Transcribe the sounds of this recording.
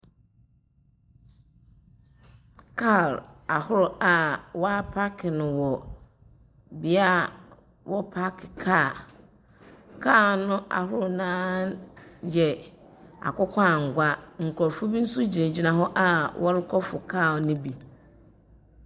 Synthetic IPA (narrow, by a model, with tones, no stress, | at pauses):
kʰa˦˨la˨hʊ˦ɾʊ˨a˨wɔ˦a˦pʰa˦kʰɪ˨nʊ̃˨wɔ˨ | bi˦a˦˨ | wʔɔ˦pʰa˦kʰɪ˨kʰaː˦˨ | kʰa˦˨nʊ̃˦ʔa̰˨ɦʊ˦ɾʊ˨nãː˦ | jɛ˨ | a̰˨kʊ˦kʷʰaː˦˨ŋ̩˨ɡʷa˦ŋ̩˨kʰɔ˨ɾfʊ˦bi˦n̩˦sʊ˦d͡ʑi˨ẽ˨d͡ʑi˨nã˨ɦɔ˦ʔa˦wʔɔ˦ɾɪ˦kʰɔ˦fʊ˨kʰa˦˨lnʊ̃˦bi˨